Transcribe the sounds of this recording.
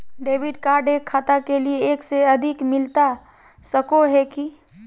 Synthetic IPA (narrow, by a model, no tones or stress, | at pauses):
ɖeːʋɪɖkaːɾɖekʰːaːt̪akelieːkseɐd̪ʱɪkmɪlt̪a | səkoɦɛki